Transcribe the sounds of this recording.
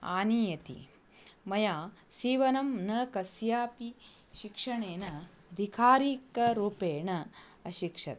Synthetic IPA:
a̰ːniːjɐt̪ḭ | mɐjaːsiːʋɐnɐmnɐkɐsjaːpi | ʃikʂɐɳeːnɐ | ɐd̪ʱikʰaːɾiːkɐɾuːpeːɳɐ | ɐʃikʂɐ̰t̪

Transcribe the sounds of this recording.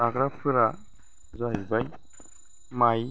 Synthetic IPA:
aɡɾapʰɯɾa | zaɦibaj | maj

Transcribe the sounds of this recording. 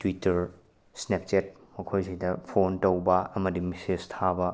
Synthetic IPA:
twitɐɾ | snep̚t͡ʃet̚ | mɐkʰojsidɐpʰontowbɐɐmɐdimisestʰabɐ

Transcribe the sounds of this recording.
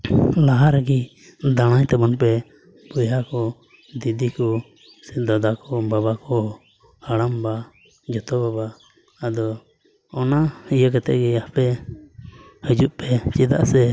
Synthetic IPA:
laɦaɾɡi | d̪aɽ̃aɲt̪ɛbɔnpɛ | b̥ɔjɦakɔ | d̪id̪ikɔ | sɛd̪ad̪akɔbabakɔ | aɽamba | d͡ʒɔt̪ɔbabaː | d̪ɔː | naijəkat̪ɛ̰ʔɡɛapɛ | həd͡ʒuʔpɛt͡ʃid̪a̰ʔsɛ

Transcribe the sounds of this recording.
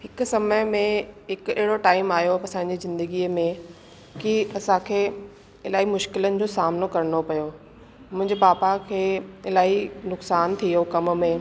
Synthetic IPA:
hɪkʊ̆sɐməjmẽɦɪkʊɛɦɪɽoʈaːɪmaːjoɐsãːɪɲ̆d͡ʑizɪ̃nd̪əɡiːəmẽ | kiɐsãkʰeː | ɪlaːɦimʊʃkɪlənɪ̆d͡ʑoːsaːmnokɐɾənopɐjo | mʊ̃ɦɪ̃ɲd͡ʑebaːbakʰeːɪlaːinʊksaːnt̪ʰijokɐm̆mẽ

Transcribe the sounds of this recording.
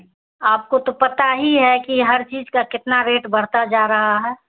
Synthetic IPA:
aːp̚kot̪opɐt̪aɦiɦɛkiɦɐɾt͡ʃiːd͡ʒkakɪt̪naɾeːʈbɐɽ̤t̪ad͡ʒaːɾɐɦaɦɛː

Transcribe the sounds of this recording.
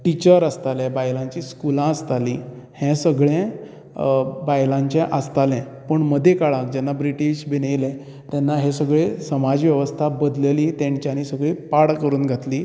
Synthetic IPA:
ʈit͡ɕəɾəst̪alɛ̃bajlãɲt͡ɕiːskulãəst̪aliː | hɛ̃səɡɭɛ̃ | bajlãɲt͡ɕɛ̃ʔəst̪alɛ̃ | pəɳməd̪ʱekaɭãk̚d͡ʑɛnːabɾiʈiɕbinejlɛ̃ | t̪ɛnːaɦesəɡɭesəmad͡ʑʋjəʋəst̪ʰabəd̪leliːt̪jãɲt͡ɕjaniːsəɡɭiːpaɽkəɾuːnɡʱat̪liː

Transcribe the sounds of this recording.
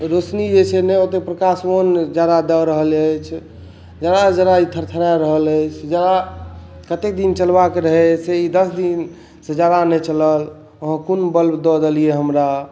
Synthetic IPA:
ɾosnid͡ʒet͡ʃʰenɛot̪epɾəkasond͡ʒad̪ad̪ɔɾəɦələjt͡ʃʰ | d͡ʒaɾad͡ʒad̪ait̪ʰəɾt̪ʰəɾaɾəɦələt͡ʃʰd͡ʒad̪a | kət̪ek̚d̪int͡ʃəlbakeɾəɦɛseid̪əsd̪in | səd͡ʒad̪anɛt͡ʃələl | oɦə̃kunbəlbd̪ɔd̪elieɦəmɾa

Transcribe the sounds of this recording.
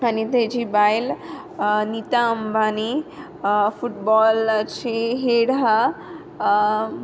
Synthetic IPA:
anit̪ed͡ʒibajl | nit̪ambani | fuʈ̚bɔlt͡ʃʰeɦeɽɦa

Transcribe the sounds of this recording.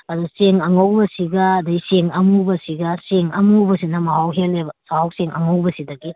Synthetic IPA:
ɐduseŋɐŋowbɐsiɡɐːdɐjseŋɐmubɐsiɡɐseŋɐ̰mubɐsinɐmɐɦawɦelːebɐsaawseŋʔɐŋɐwbɐsidɐɡi

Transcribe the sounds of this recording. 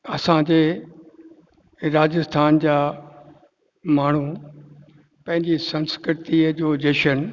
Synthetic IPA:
ɐsãd͡ʑeː | ɾaːd͡ʑəst̪ʰaːnd͡ʑaː | maːɳ̤u | pɐ̃ɦɪ̃ɲd͡ʑisɐ̃nskɾɪt̪id͡ʑoːd͡ʑeʃən

